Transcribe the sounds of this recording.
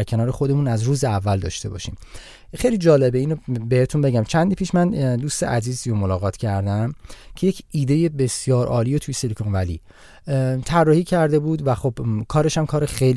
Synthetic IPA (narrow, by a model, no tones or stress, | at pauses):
ɾcʰe̞nɒːɾexod̪e̞mũːnæzɾuːzeævːæld̪ɒ̰ːʃt̪e̞bɒ̰ːʃḭm | xejlid͡ʒɒːle̞beiːnobehet̪ʰunbe̞ɟæmt͡ʃʰænd̪ipʰiːʃmænd̪uːst̪eʔæziːzijomolɒːɣɒːt̪ʰcʰæɾd̪æmcʰe̞jecʰiːd̪e̞jebesjɒːɾʔɒːliːjot̪ʰujeselikʰonvælḭ | t̪ʰærːɒːhiːcʰæɾd̪e̞buːd̪væχobkʰɒːɾe̞ʃæmkʰɒːɾexejl